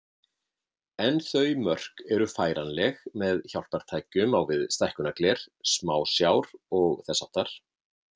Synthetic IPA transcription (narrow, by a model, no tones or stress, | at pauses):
ɛnθœɥmœr̥kɛɾʏfaːjɾanlɛɣmɛðçawl̥t̪aɾ̥t̪ʰaːjkʏmawvɪðst̪ajhkʏnaklɛɾ̥smaːwsjaːwɾɔɣθɛsːawt̪aɾ̥